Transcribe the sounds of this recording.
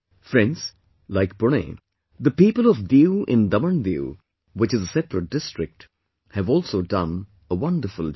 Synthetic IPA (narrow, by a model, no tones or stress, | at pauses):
fɾɛ̃nɖz̥ | laɪk̚b̥ʊñḛ | d̪əpiːpəlɔvvjuʔɪ̃nd̪ʌmənvjṵ | wɪt͡ʃɨzəsɛpɾəʈ̚d̥ɪsʈɹɪk̚ʈ | hɨvɔːlˠsoːdʌ̃n | əwʌ̃nɖəɾfəl